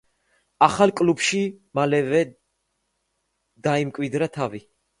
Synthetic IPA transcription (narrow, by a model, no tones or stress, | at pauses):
aχalkʼlubʃimalɛvɛ | d̪aimkʼwid̪ɾat̪ʰavi